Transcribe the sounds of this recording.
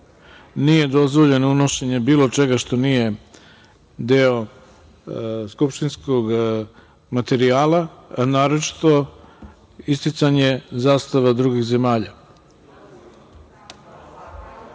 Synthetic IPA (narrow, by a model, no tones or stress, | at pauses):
nije̞d̪o̞zʋo̞ʎe̞nouno̞ʃeɲebiːlo̞t͡ʃe̞ɡaʃt̪o̞nije̞ | d̪eo | skupʃt̪inskoɡ | mat̪e̞ɾiaːlaanaːɾot͡ʃi̥t̪o̞ | ist̪it̪saɲe̞zaːst̪aʋad̪ɾuɡixze̞maːʎa